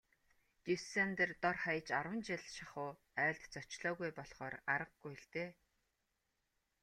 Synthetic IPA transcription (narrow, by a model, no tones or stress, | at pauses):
t̪isent̪ert̪ɔrχaj̆t͡ɕaɾwə̆nt͡ɕɪɮʃaχʊː | æːɮt̪t͡sɔt͡ɕɮɔːɣujpɔɮχɔːɾaɾə̆qɡujɮt̪eː